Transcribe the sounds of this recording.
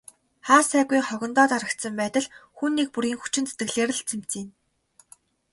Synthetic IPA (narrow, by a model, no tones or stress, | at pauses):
χaːsæːɣujχɔɣʲɞ̆nt̪ɔːt̪aɾə̆k̚t̪sə̆mpæːt̪ə̆ɮxuːnːiːk̚puɾɣiːŋxu̥t͡ɕɪ̆nt͡se̥t̪ɘ̆ɮeːɾɘ̆ɮt͡sʰem̥t͡siːn